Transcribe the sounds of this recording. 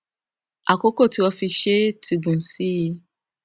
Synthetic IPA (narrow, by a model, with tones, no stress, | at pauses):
a˨ko˦ko˦˨ti˨˦wɔ˧fi˧ʃe˦tʰi˧ɡũ˨n̩˨si˦ji˧